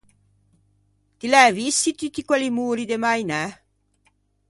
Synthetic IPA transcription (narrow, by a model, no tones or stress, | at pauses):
t̪ilɛːvisːit̪it̪ikwɛlimuːɾid̪emajnɛ